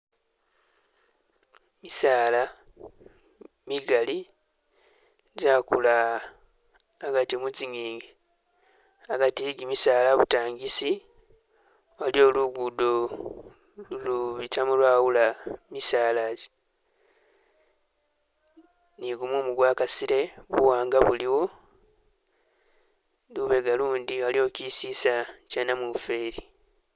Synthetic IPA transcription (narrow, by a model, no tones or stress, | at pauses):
misaːla | miɡali | zaːkula | ɡatimut͡siɲiːŋɡe | aɡatiɡimisaːlaβutaːŋɡisi | walio̞ːluɡudo | luluβitamulwaːwulamisaːlae | niɡumuːmuɡwaːkasiɾe̞βuwaːŋɡaβuliwo̞ | luβe̞ɡaluːndiwalio̞ːcisisacanamufeːɾi